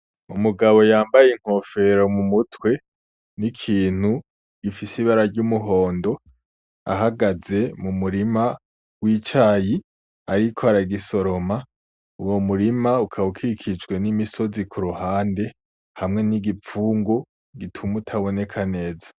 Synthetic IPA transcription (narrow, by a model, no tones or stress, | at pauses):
umuɡaβo̞jaːmbajeŋ̥ho̞fe̞ɾo̞mumutwe̞ | nikʰiːn̥hu | ɡ̥ifisiβaɾaɾɟumuɦo̞ːndo̞ | a̰ɦaɡaze̞mumuɾima | wit͡ʃaːji | aɾikʰoaɾaɡiso̞ɾo̞ma | uwo̞muɾimaukʰaukʰiɾikʰid͡ʒɡwe̞nimiso̞zikʰuɾuhaːnde̞ | hamŋe̞niɡip͡fuːŋɡo | ɡitʰumutʰaβo̞ne̞kʰane̞ːzḁ